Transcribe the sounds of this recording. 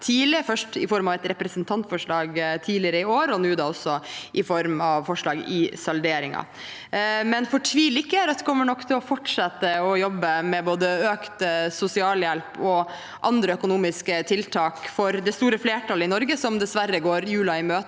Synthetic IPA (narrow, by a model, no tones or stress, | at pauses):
t̪ʰiːlɪfœʂʈɪfɔɾmɑʋɛt̪ɾɛpɾɛsənt̪ʰɑnt̪fɔʂɭɑːɡt̪ʰiːlɪəɾəɪoːɾɔnʉːd̪ɑːɔsːɔʔɪfɔɾmɑʋfɔʂɭɑːɡɪ̰sɑld̪eːɾɪŋɑ̰ | mɛnfɔʈʰʋiːlɪkːəæɾɑt̪d̪ɛ̥kʰɔmːəɳɔkːt̪ʰɪlɔfɔʈʂɑt̪ːəɔjɔbːəmɛboːd̪əøːkt̪sʊsɪɑːljɛlpʰɔ | ʔɑnd̪ɾəœkʊnuːmɪskət̪ʰɪlt̪ʰɑːkfɔɾd̪ɛst̪uːɾəfleːʈʰɑləɪnɔɾɡəsɔmd̪ɛsʋæɾːəɡoːɾjʉːlɑɪmøːt̪